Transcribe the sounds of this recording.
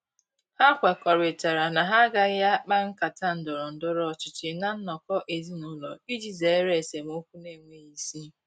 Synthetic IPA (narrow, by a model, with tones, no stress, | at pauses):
ha˦kʷa˨kɔ˨ɾɪ˨ta˨ɾa˨na˨ɦa˦ɡa˦ja˦k͡pa˦ŋ̩˦ka˨ta˦n̩˨dʊ˨ɾʊ˨n̩˨dʊ˦ɾɔ˦˨t͡ʃɪ˨t͡ʃɪ˨na˦n̩˦nɔ˨kɔ˦ʔe˨zi˦nʊ˦lɔ˨i˦d͡ʒi˨ze˨˦ɾe˨se˨mo˦kʷu˦ne˦˨ŋʷe˦i˦si˦